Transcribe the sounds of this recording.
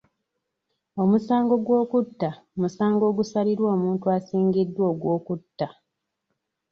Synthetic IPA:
o̞musaːŋɡo̞ɡwo̞ːkutːa | musaːŋɡo̞ːɡusaliɾwo̞ːmuːntuasiːŋɡidːwo̞ːɡwo̞ːkutːa

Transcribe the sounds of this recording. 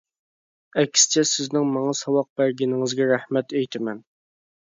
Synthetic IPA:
ɛkʲst͡ʃʰɛsɪznɪŋmɑŋɑsɑwɑq̚b̥æɾɡʲɪnɪŋɪzɡʲɛɾæhmɛt̪ejt̪ʰɪmɛn

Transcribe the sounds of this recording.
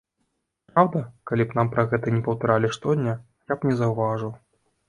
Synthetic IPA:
pɾawd̪ɐkalʲipn̪ampɾɐɣɛt̪ɐnʲɛpɐwt̪aɾalʲiʂt̪ɔd̪ʲnʲɐ | japnʲɛzɐwvaʐɨw

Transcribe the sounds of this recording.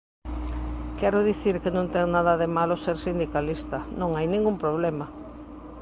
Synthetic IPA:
kɛɾʊðiθiɾkenõnt̪ɛŋnaðɐðemaloseɾsind̪ikalist̪ɐnõŋajnĩŋɡumpɾoβ̞lɛmɐ

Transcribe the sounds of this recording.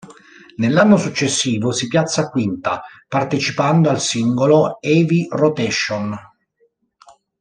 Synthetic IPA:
nelːanːosut͡ʃːesːiːvosipjat̪sːakwint̪apart̪et͡ʃipand̪oalsiŋɡoloɛːvirot̪ɛʃːon

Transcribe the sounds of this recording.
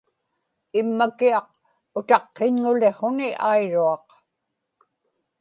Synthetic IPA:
ɪmːakiɑq̚ | ʊt̪ɑqːeɲŋʊle̞χo̞nɪʔajɻuɑq

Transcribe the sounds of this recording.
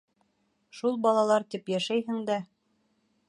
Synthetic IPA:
ʃulˠbɒlˠɑlˠɑɾt̪ipjæʃæjɦɘ̆ŋd̪æ

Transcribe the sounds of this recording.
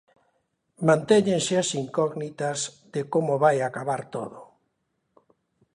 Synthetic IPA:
mãnt̪eɲẽnseasiŋkɔɣnit̪azðekomoβajakaβaɾt̪o̰ðo

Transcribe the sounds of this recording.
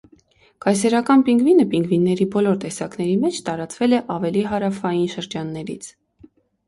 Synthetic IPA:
kɑjsɛɾɑkɑnpiŋɡvinəpiŋɡvinːɛɾibɔlɔɾt̪ɛsɑknɛɾimɛt͡ʃʰt̪ɑɾɑt͡svɛlɛʔɑvɛliɦɑɾɑfɑjinʃəɾd͡ʒɑnːɛɾḭt͡sʰ

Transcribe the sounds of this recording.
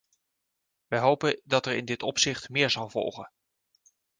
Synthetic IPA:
ʋɛjɦowpədɑtɛɹɪ̰ndɪtɔpsɪχtmɪːɹzɑwvɔ̰lˠχən

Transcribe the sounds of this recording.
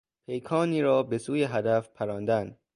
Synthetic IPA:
pʰe̞jkʰɒːniːɾɒːbe̞suːjeɦæd̪æfpʰæɾɒːnd̪æn

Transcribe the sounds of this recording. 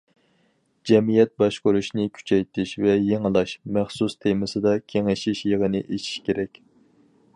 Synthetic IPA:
d͡ʒɛmijɛt̪̚bɑʃqoɾuʃnɨkʲʰy̥t͡ʃʰɛjt̪ʰɪʃvɛjeŋəlˠɑʃmæχsust̪ʰemɪsɨd̪ɑkʲʰeŋɪʃiʃjəʁənɨʔet͡ʃʰi̥ʃkʲʰeɾɛkʲ

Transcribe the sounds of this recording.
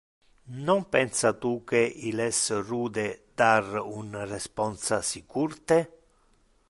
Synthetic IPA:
nɔmpɛnsat̪ukeʔilɛsruːd̪ed̪arunrɛspɔnsasikurt̪e

